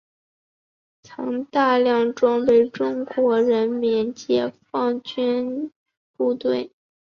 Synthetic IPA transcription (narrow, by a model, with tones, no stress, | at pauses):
t͡sʰɑ̰˧˥ŋt̪a˥˧ljɑ˥˧ŋʈ͡ʂʊ˥ŋpe˥˩ɪʈ͡ʂʊ˥ŋkwɔ˧˥ɻə˧˥nmjɛ˧˥nt͡ɕjɛ˧˥fɑ˥˩ŋt͡ɕy˥n | pu˥˧t̪we˥˩ɪ